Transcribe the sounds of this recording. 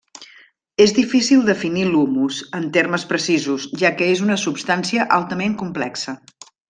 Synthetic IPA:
ezðifisilˠd̪əfinilumuzənt̪erməspɾəsizuzʒakəezunəsupst̪ansiəʔalˠt̪əmeŋkumplɛksə

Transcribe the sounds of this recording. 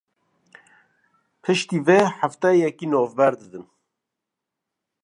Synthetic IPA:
pʰɨʃt̪iːvɛħaft̪ɛjɛkinɔːvbɛɾd̪ɨd̪ɨn

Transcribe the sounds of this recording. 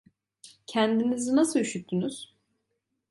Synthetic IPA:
cʰænd̪inizinasɯyʃyt̪ʰːynyz̥

